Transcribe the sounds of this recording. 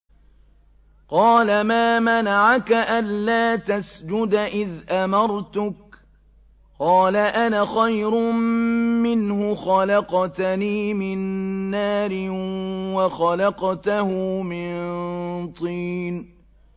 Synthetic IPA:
qɑːlamaːmanaʕakaʔanlaːt̪asd͡ʒʊd̪ʔɪðʔamɑɾˤt̪ʊk̚ | qɑːlaʔanaxajɾʊmmɪnhʊxalɑqt̪niːmɪnːaːɾɪwɑxɑlɑqt̪ahʊmɪnnt̪ˤiːn

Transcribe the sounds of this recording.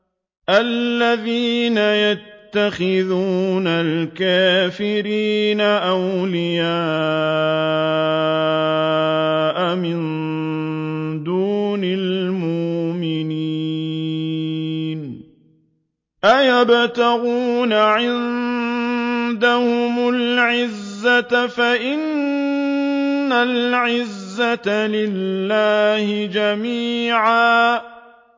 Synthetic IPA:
ʔalːaðiːnajat̪ːaxɪðuːnalkaːfɪɾiːnaʔawlɪjaː | ʔamɪn | d̪uːnalmʊʔmɪni | n | ʔajabt̪aɣuːnaʕɪn | d̪ahʊmʊlʕɪzːat̪afaʔɪn | alʕɪzːat̪alɪlːaːhɪd͡ʒamiːʕaː

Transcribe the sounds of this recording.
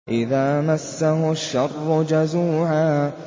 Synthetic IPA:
ʔɪðaːmasːaɦʊʃːɑrˤːʊd͡ʒazuːʕaː

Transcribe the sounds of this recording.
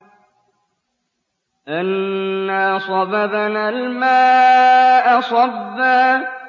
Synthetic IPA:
ʔanːasˤɑbabanalmaː | ʔasˤɑbːa

